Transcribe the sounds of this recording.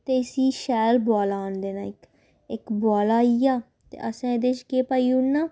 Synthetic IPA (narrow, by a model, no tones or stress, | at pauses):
t̪eːɪsiːʃɛːlbɔːlaːnd̪eːnaːɪk | ɪkbɔːlaːiaː | t̪ḛːʔəsãːed̪eːt͡ʃkeːpaːiːunːaː